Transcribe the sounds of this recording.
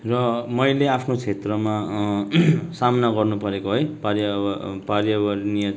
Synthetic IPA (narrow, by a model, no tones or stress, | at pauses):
rʌmʌjleapʰnot͡sʰet̪rʌma | samʌnaɡʌrnupʌɾekoɦojparjʌparjʌbarnijʌ